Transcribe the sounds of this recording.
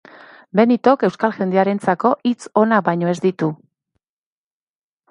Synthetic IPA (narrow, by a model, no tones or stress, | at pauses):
be̞nit̪o̞ke̞wskalʝe̞nd̪eaɾe̞nt͡sako̞ʔit͡so̞naβajɲo̞e̞zd̪it̪u